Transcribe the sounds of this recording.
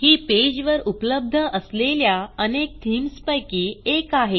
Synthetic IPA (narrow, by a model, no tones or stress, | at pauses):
hiːped͡ʑʋəɾupləb̚d̪ʱəʔəsleljaənek̚t̪ʰimspəjkiːekaɦe